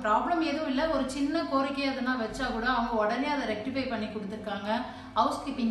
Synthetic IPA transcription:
pɾaːblɐmeːðɐʋʊ̃ɪlːɐɔɾɯt͡ʃɪnːɐkoːɾɪkːɐjɐðɯnaːʋɐt͡ʃːaːkuːɽɐːʋɐŋɡɐɔɽɐneːɐðɐɾɛk̚ʈɪfɐɪpɐɳːikːɔɽɯt̪ːɯɾɯkːaːŋɡɐ | ɐʊskɪpɪŋ

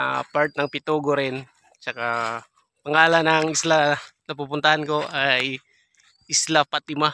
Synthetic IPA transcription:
paɾt̪̚nɐŋpɪt̪uːɡoɾɪn | t͡ʃɐka | pɐŋaːlɐnɐŋɪslanɐp̬upʊnt̪ɐhanko̞ʔaj | ʔɪslapat̪̚ɪma

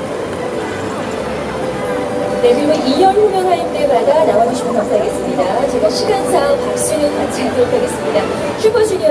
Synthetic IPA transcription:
nebumɯiɲʌnɸumjʌŋɦaɾimt͈e̞madanaaoɕʰiɡonkas͈ʰaɡe̞s͈ɯmɲidat͡ɕeɡɯɕʰiɡansʰaopak̚s͈unɯnmat͡ɕʰatɯɾokʰaɡe̞s͈ɯmɲida | t͡ɕʰuɡʌd͡ʑʰiɡi

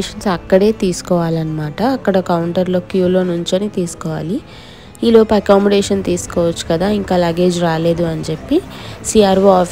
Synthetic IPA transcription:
ʃɐnsɐkːɐɽe̞ːt̪iːsu̥kɔːʋaːlɐnɐmaːʈɐːkːɐɽɐkɐwuɳʈɐɾlo̞ːkjuːlo̞ːnuɲt͡ʃɐnit̪iːsu̥kɔːʋa̰ːli | iːloːpɐɐkaːmɔɖeːʃɐnt̪iːsu̥kɔːʋɐt͡ʃːu̥kɐd̪aːiŋkaːlaːɡe̞ːd͡ʒɾaːle̞ːd̪uɐnit͡ʃepːisiːaːɾʋoaː

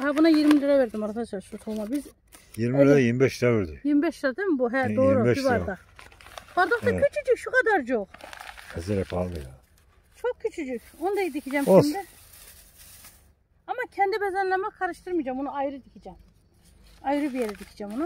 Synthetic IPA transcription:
hɛbunajiɾmileɾɛvɛɾd̪imaɾt̪asaʃut̪ʰolˠmabiz | jiɾmiɛɾɛjiɾmibɛʃɛveɾd̪ijiɾmibɛʃad̪emibuɦɛd̪oːɾɾɛʃivaɾd̪a | b̥aɾd̪ok̪acʰyt͡ʃʰyd͡ʒycʃukʰad̪aɾd͡ʒolɛzɛɾɛpʰalˠmɯja | t͡ʃʰok̚cʰːyt͡ʃʰyd͡ʒycʲonud̪ajid̪icʰid͡ʒɛmmd̪ɛ | amacʰɛnd̪ibɛzænlʲɛmakʰaɾɯʃt̪ʰɯɾmɯd͡ʒamonuajɾɯd̪icʰid͡ʒɛm | ajɾɯbijeɾɛd̪icʰi̥d͡ʒɛmonu

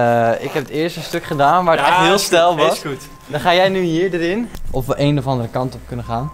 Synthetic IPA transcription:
ɪkɦɛpətɪəɹstəstøkχədaːnʋaːɹətɔɦɪəlˠstɛlˠʋɔs | dɔnχaːjɛjnyɦiːɹdəɾɪnʔɔfʋəʔeːnɔfɑndərəkɑntɔp̚kɵnəχaːn

